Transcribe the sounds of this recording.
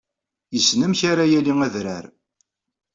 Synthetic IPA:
jəsnəmçaɾajæliŋæðɾæɾ

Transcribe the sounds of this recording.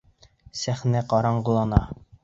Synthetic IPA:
sæχnæqɒɾɑɴɢulˠɑnɑ

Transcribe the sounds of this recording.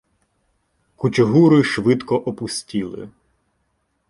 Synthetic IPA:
kut͡ʃʲʊɦuɾɪʃʋɪd̪kɔʔɔpʊsʲtʲilˠɪ̰

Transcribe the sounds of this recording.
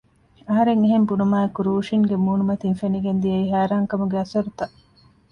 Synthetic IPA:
ɐɦɐɾeŋeɦembunumaːekuɾuːʃiŋɡemuːnumɐt̪iŋfeniɡend̪ijɐiɦæːɾaːŋkɐmuɡeɐsɐɾut̪ɐʔ

